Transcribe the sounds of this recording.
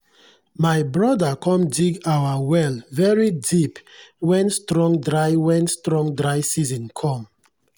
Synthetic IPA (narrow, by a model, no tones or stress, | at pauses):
majbɹɔdakʰɔ̃mdiɡawawɛlvɛɹidipwɛ̃nstɹɔ̃ŋdɹajwɛ̃nstɹɔ̃ŋdɹajsizɔ̃nkʰɔ̃m